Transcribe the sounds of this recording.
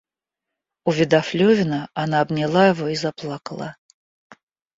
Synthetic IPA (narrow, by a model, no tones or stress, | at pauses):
uvʲid̪aflʲovʲɪnəanaːbnʲɛlˠaivoizaplˠakəlˠa̰